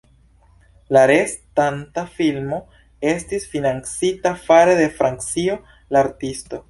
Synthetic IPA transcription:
laɾestantafilmo̞ | e̞stisfinant͡sitafaɾe̞de̞fɾant͡sio̞ | laːɾtisto̞

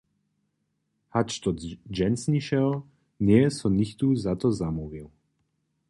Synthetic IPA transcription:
hat͡ʃt̪ɔt̪d͡ʒɛnsniʃɛl | nɪɛsɔnixt̪uzat̪ɔzamuvilˠ

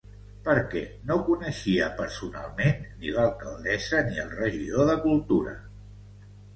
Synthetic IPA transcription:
pəɾkɛnokunəʃiəpəɾsuna̰lˠmenːiləlˠkalˠd̪ɛzəniəlˠrəʒiðoðəkulˠt̪uɾə̰

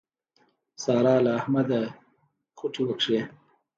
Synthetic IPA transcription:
sɑːɾɑːlaːhmad̪a | xʊʈ͡ʂʰiwakʂe

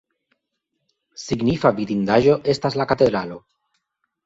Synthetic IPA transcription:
siɡnifavidind̪aʒo̞ʔe̞st̪azlakat̪e̞d̪ɾalo̞

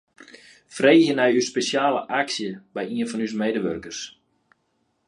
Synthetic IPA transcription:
freːxjənɛjyspesjaːləʔaksjəbɛjiənfɔnys̬mejdəʋørkərs

